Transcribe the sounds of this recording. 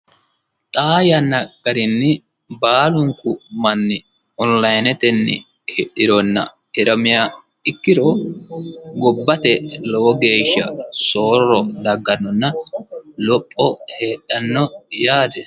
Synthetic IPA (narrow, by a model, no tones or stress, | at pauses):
t̪ʼaːjɐnɐkʼːɐɾɪnːɪ | baːlʊŋkʊmɐnːɪ | ɔnlɐjnɛt̪ɛnːɪ̰ | hɛɗɪɾɔnːɐ̰ | ɪɾɐmɪja | ɪkːɪɾoː | ɡɔbːɐt̪ɛlɔwɔɡe̞ːʃːɐ̰so̞ːrːɔd̪ɐɡːɐnːɔnːɐlɔpʼːɔhe̞ːɗːɐnːɔjaːd̪ɛ